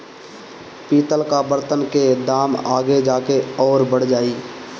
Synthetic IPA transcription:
piːt̪əlkabəɾt̪ənked̪aːmaːɡed͡ʒaːkeɔːɾbəɽ̤d͡ʒaːiː

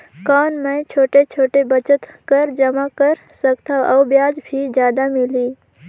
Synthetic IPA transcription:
kɔːnmə̃jt͡ʃʰoːʈet͡ʃʰoːʈebət͡ʃət̪kəɾd͡ʒəmakəɾ | səkt̪ʰaəwbjaːd͡ʒbʱid͡ʒjaːd̪amiliː

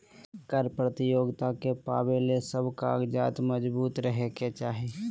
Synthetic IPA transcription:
kəɾpɾət̪ɪjoːɡt̪akepaːbelesəbkaɡd͡ʒaːt̪məd͡ʒbuːt̪ɾəɦeket͡ʃaːɦeː

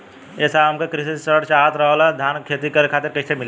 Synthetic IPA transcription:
eːsaɦəmkekɾisisəɽt͡ʃaɦət̪ɾəɦəlad̪ʱaːnkʰet̪ikəɾekʰaːt̪eɾkɐt̪ʰemɪl

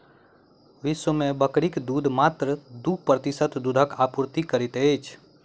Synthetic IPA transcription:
ʋɪswəmẽbəkɽikd̪uːd̪ʱmaːt̪ɾəd̪upɾət̪ɪsət̪d̪uːd̪ʱəkaːpuɾt̪ikəɾɪt̪eːt͡ʃʰ

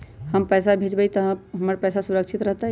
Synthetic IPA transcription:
həmpəsabʱet͡ʃbəjt̪əɦɦəməɾpɛjsasuɾəkʃʰit̪ɾəɦt̪a

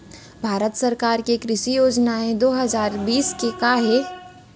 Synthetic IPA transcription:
bʱaːɾət̪sɐɾkaːɾkekɾɪʃijoːd͡ʒnaẽd̪oːɦɐzaːɾbiːskekaɦe

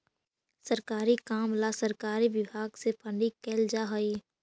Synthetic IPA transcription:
səɾkaːɾikaːmlasəɾkaːɾiʋɪbʱaːɡsepʰəɳɖikɛːld͡ʒaɦəi

